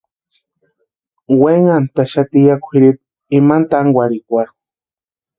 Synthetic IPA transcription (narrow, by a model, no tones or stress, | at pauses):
weŋant̪aʃat̪ijakʷʰiɾip̚ | imant̪aŋɡʷaɾikʷaɾ